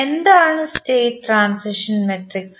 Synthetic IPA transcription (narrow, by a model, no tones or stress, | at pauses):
end̪aːɳɨsʈeːʈːɾaːnsiʂɐnmeʈriks